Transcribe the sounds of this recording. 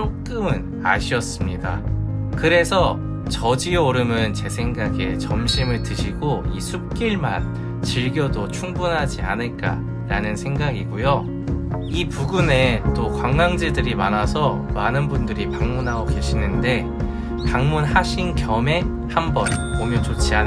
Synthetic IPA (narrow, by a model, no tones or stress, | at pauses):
t͡ɕok̚k͈ɯmɯn | a̰ɕʰiʌs͈ɯmɲida̰kɯɾe̞sʰʌ | t͡ɕʌd͡ʑioɾɯmɯnt͡ɕe̞sʰe̞ŋɡaɡe̞̰t͡ɕʌmɕʰimɯɭtɯɕʰiɡoisʰup̚k͈iɭma̰n | t͡ɕiɭɡjʌdot͡ɕʰuŋbunɦad͡ʑia̰nɯɭk͈a̰ | ɾanɯnsʰe̞ŋɡaɡiɡujo | ipuɡune̞t͈okwaŋɡaŋd͡ʑedɯɾimanasʰʌmanɯnbundɯɾipaŋmunɦaɡoke̞ɕʰinɯnde̞ | paŋmunhaɕʰinkjʌme̞ | hambʌnpomjʌnt͡ɕot͡ɕʰian